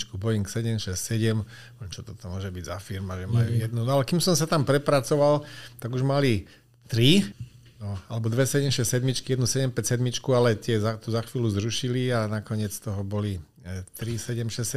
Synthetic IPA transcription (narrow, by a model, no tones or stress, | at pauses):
t͡ʃkubɔjiŋksɛɟɛmʃɛssɛɟɛm | mt͡ʃɔt̪ɔt̪ɔmʊɔʒɛbiɟzafiɾmaʒɛmajujɛd̪nunɔalɛkimsɔmsat̪ampɾɛpɾat͡sɔʋalt̪aɡuʒmali | t̪ɾi | nɔalɛbɔd̪ʋɛsɛɟɛmʃɛssɛd̪mit͡ʃkijɛd̪nusɛɟɛmpɛcsɛd̪mit͡ʃkualɛt̪ɪɛzat̪uzaxʋiːluzɾuʃilianakɔɲɪɛt͡st̪ɔɦɔbɔli | t̪ɾisɛɟɛmʃɛssɛ